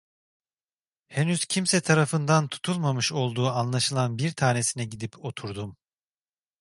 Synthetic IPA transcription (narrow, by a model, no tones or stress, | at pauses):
henyz̥cʰimsɛt̪ʰaɾafɯnd̪ant̪ʰu̥t̪ʰulˠmamɯʃo̞lˠd̪uːanlˠaʃɯlˠanbiɾt̪ʰaːne̞sinɛɟid̪ipʰo̞t̪ʰuɾd̪um